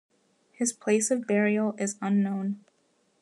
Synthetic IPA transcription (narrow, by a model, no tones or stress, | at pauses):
hɨz̥pʰl̥eɪsʌvbɛɹil̩ˠɪzə̃nːõʊ̃n